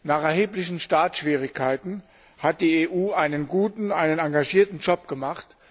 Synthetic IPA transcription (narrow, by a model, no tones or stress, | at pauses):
naːχɛɐɦeːplɪçn̩ʃtaːtʃv̥iːʁ̞ɪçkʰːaɪtn̩ | hat̚d̥iːeːʔuːaɪnənɡuːtn̩aɪnənaŋɡaʒiːɐtn̩d͡ʒɔpɡ̥əmaχt